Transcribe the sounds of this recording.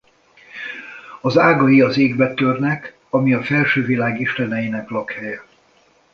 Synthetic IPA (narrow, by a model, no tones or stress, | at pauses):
ɒzaːɡɒjiɒzeːɡbɛt̪ørnɛk | ɒmiɒfɛlʃøːvilaːɡiʃt̪ɛnɛjinɛklɒkhɛjɛ